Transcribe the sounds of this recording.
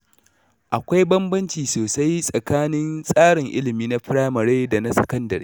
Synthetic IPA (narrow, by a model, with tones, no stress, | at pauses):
ʔa˨kʷa˦jbɐ˦mbɐ˦nt͡ʃiː˨soː˨sa˦jsʼɐ˨kaː˦nɪ˦nsʼaː˦ɽɪ˨ŋʔɪ̰˦lɪ˨miː˦na˦ɸɪ˦ɽaː˦mɐ˨ɽeː˦da˨na˦sɐ̥̰˨kɐ˦ndɐ̰˨ɾḛː˦